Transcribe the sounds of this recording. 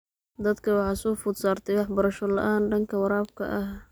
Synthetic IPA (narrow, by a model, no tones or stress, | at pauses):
d̪ɐd̪kʰɐwɑħɑːsɔːfʊd̪saːrt̪ʰɛjwɑħbɐɾɐʃɔlɐ̰ʔaːnɖɐŋkʰɐwɑɾaːb̚kʰɐ̰ʔɐh